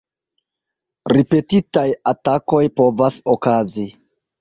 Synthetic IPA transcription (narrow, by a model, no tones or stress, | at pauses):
ɾipe̞titajatako̞jpo̞vasokazi